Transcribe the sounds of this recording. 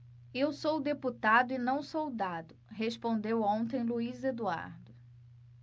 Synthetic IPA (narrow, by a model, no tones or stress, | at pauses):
ewsowd̪eput̪ad̪ʊɪnɐ̃w̃sowd̪ad̪ʊɦespõnd̪ewõnt̪ẽj̃luized̪ua̰ɾd̪ʊ